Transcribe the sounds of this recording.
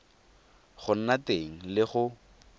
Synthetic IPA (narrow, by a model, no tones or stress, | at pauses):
χʊn̩nateŋ̩lɪχʊ